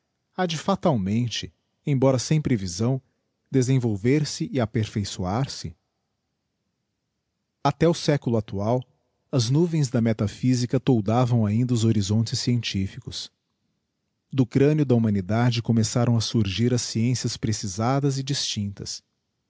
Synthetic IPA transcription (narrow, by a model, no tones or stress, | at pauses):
ad͡ʒɪfat̪awmẽnt͡ʃɪ | ẽj̃bɔɾɐsẽj̃pɾevizɐ̃w̃ | d̪ezẽvowveɾsɪʔɪapeɾfejsuaɾsɪ | at̪ɛʊsɛkʊlʊat̪uaw | ɐznuvẽj̃zd̪ɐmɛt̪afizikɐt̪owd̪avɐ̃w̃aĩnd̪ɐʊzoɾizõnt͡ʃɪsːiẽnt͡ʃifikʊs | d̪ʊkɾɐ̃njʊd̪ɐumɐ̃nid̪ad͡ʒɪkõmesaɾʔɐ̃w̃ɐsuɾʒiɾɐsːiẽsiɐspɾesizad̪ɐzɪd͡ʒist͡ʃĩnt̪ɐs